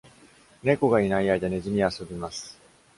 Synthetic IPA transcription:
ne̞ko̞ɡainaiaid̪ane̞ʑimʲiaso̞bʲimasɨ̥

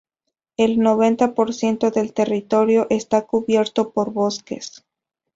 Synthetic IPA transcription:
e̞lno̞βe̞nt̪apo̞ɾsje̞nt̪o̞ðe̞lt̪e̞rit̪o̞ɾjo̞ʔest̪akuβje̞ɾt̪o̞po̞ɾβo̞ske̞̰s

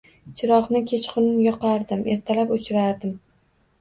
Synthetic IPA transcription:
t͡ʃʰɪɾɒqnɪkʲʰe̞t͡ʃqʰʊnɪnjɒqɑɾd̪ɪmʔe̞ɾt̪ʰalapʊt͡ʃʰɪɾaɾd̪ɪm

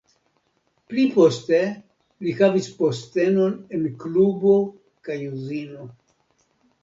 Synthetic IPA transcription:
plipo̞ste̞ | lihavispo̞ste̞no̞ne̞nklubo̞ | kajuzino̞

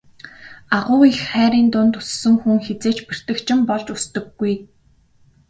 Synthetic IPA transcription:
aʁʊːixχæːɾiːnt̪ʊnt̪ʊ̥sːɵ̆ŋxuŋxet͡seːt͡ɕpir̥t̪ɘ̆kt͡ɕʰɪ̆mpɔɮt͡ɕʊst̪ɵ̆ɡːuj

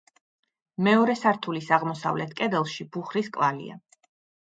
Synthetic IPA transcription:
mɛɔɾɛsaɾt̪ʰulisaʁmɔsa̰vlɛt̪ʰkʼɛd̪ɛlˠʃib̥uχɾiskʼvalḭa̰

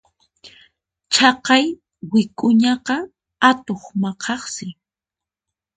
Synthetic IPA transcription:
t͡ʃʰɑqɑj | wɪkʼʊɲɑqɑ | at̪oχmɑqʰɑχsɪ

